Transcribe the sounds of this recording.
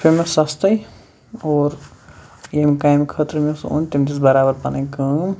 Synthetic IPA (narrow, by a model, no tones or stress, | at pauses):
pʰeɾmesɐst̪ɐj | oːɾ | jemikaːjmkʰəːt̪ɾmeso̰ːnt̪imd̪ʲisbɐɾaːbɐɾpɐnɐkəːm